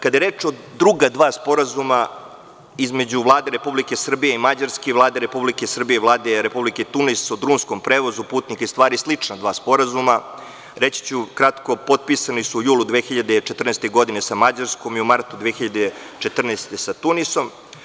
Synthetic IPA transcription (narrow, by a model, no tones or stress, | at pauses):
kad̪ajeɾet͡ʃo | d̪ɾuɡad̪ʋaːspo̞ɾazuma | izme̞d͡ʑuʋlˠaːd̪e̞ɾe̞publike̞sr̩bijeimad͡ʑaɾskeiʋlˠaːd̪eɾe̞publikesr̩bije̞iʋlˠaːd̪e̞ɾe̞publiket̪unisod̪ɾuːnsko̞mpɾeːʋo̞zupuːt̪nikaist̪ʋaːɾislit͡ʂnad̪ʋaːspo̞ɾazuma | ɾet͡ɕi̥t͡ɕukɾat̪ko̞po̞t̪̚pisanisuːjuːlud̪ʋeːxiʎad̪et͡ʃet̪r̩nest̪eɡo̞d̪inesamad͡ʑaɾsko̞miumaɾt̪ud̪ʋexiʎad̪e | t͡ʃet̪r̩nest̪esat̪uniso̞m